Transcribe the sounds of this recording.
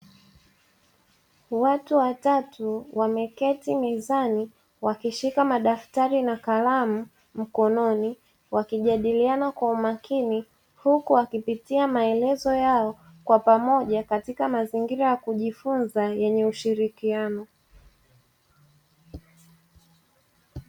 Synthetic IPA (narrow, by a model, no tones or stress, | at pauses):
watuwatatuwamɛkɛtimɛzani | wakiʃikamaɗaftaɾinakalamu | m̩kɔnɔni | wakiʄaɗilianakwaumakʰini | hukuwakipitiamaɛlɛzɔjaɔ | kwapamɔʄakatikamaziŋɡiɾajakuʄifunzajɛɲɛuʃiɾikianɔ